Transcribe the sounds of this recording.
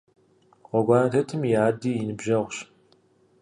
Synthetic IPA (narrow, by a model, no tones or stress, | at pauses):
qʷɔɡʷɑːnɐtʰɐtʰɨmjaːdiːjɪnɨbʒɐʁʷɕ